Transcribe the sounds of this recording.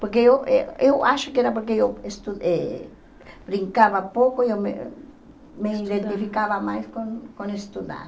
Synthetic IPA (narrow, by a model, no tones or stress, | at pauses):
poɾk̬eeweewʔaʃokeeɾap̬oɾk̬ejoest̪ue | bɾiŋkaβapokojomḛ | meiðent̪ifikaβamajskonkonest̪uða̰